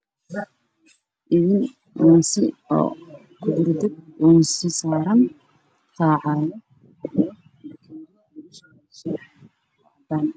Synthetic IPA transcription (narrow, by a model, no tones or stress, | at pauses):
ʔɪðɪn | ʔuːnsɪɔ̰ː | kʰʊd̪ʊrd̪ɪb̚uːnsɪsaːɾɐn | tʰaːʕɑːjɔ | dɐn